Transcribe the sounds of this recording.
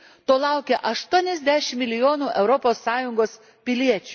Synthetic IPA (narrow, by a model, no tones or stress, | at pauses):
t̪oːlˠɑˑʊkʲeʔɐʃt̪uɔnʲɛzʲd̪ʲæːʃʲɪmʲmʲɪlʲɪjoːnuːʔɛʊɾɔpoːsːɑːjʊŋɡoːs | pʲɪlʲiɛt͡ʃʲu